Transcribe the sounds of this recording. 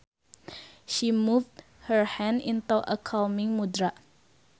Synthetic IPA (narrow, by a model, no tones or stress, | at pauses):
ʃimuvd | həɹhɛ̃ndĩntuʔə̰kʰalmĩŋmudɹa